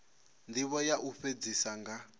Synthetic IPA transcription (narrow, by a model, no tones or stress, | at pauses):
ndiβɔjaʔuɸed͡zisaŋɡa